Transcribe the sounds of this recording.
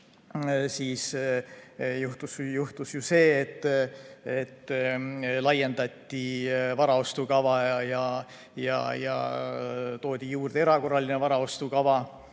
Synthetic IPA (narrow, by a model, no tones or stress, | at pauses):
siːs | juht̪usjuht̪usjuse̞ːt̪ːˑ | et̪ː | lɑje̞nd̪ɑt̪ʲːivɑɾɑo̞st̪ukɑvɑjɑ | jɑ̰jɑ̰ | t̪o̞ːd̪̥ʲijuːrd̪̥ee̞ɾɑko̞rːɑlinevɑɾɑo̞st̪ukɑvɑ